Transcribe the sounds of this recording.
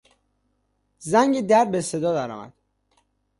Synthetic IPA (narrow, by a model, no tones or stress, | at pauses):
zæŋɟed̪æɾd̪̚bese̞d̪ɒːd̪æɾɒ̰mæ̰d̪̥